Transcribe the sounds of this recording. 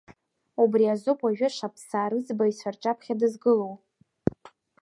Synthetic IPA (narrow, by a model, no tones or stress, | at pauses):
ubriazupʰʼaʒᶣaʃʷapʰsaːɾɨzbaisʷart͡ʃʼapʰχʲadɨzɡɨlow